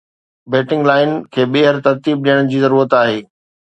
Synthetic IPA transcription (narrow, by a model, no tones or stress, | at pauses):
beːʈɪ̃ŋɡlaːɪnkʰeːɓeːɦəɾt̪ɐɾt̪iːb̚ɗijəɽ̃̆d͡ʑiːzɐɾuːɾət̪aːɦeː